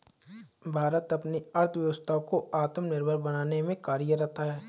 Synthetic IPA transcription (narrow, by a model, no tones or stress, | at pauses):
bʱaːɾət̪ɐpniɐɾt̪ʰʋjɐʋəst̪ʰakoaːt̪əmnɪɾbʱəɾbɐnaːnemẽkaːɾijəɾɛɦt̪aɦɛː